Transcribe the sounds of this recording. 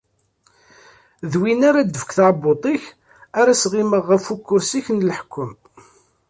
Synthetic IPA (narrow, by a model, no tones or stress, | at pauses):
ðwinaɾad̪əfkθaʕbot̪ˤɪç | aɾæsʁiməʁːəfukːʊɾsiçnləħkʰːʊm